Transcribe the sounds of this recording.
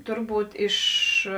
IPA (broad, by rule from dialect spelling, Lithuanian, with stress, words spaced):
ˈtʊrˌbuːt ɪʃ